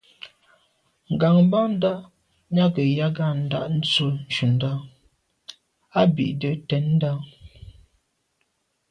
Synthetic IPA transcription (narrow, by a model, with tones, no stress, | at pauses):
ŋ̩˨ɡa˨ŋ˦ba˦n̩˦da˦ʔ | ɲa˦kə˨ja˦ɡa˦˨n̩˦˨da˦ʔn̩˦t͡so˦n̩˨t͡ʃu˨n˦da˦ | a˦bḭ˨ʔdə˨tɛ˨˦nn̩˦da˦˨